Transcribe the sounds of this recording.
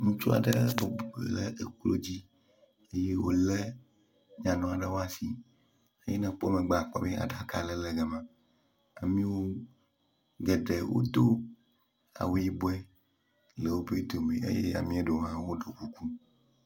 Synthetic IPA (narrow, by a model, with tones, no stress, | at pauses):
ŋũ˦t͡ʃo˦a̰˨ɖə˦bo˨blɛ˦ʔe˨klo˦d͡ʑi˦ | e˦je˦wo˦lɛ˦ | ɲã˨nɔ̃˨a˨ɖə˦wo˦a˨si˨ | e˦jɛ˦nã˨k͡po˦mẽ˨ɡ͡ba˨k͡pɔ̰˦be˦a̰˨ɖa˦ka˨lɛ˦lɛ˨ɡɛ˨mã˨ | a˨mĩ˦wo˦ | ɡɛ˨ɖe˨wo̰˦d̪o˦ | a̰˨wu˦ji˦bo˦ɛ˦ | le˨wo˦be˦d̪o˨mẽ˨ʔḛ˦jḛ˦a̰˨mĩ˦a˦ɖo˨ɦã˦wo˦ɖo˨ku˦ku˦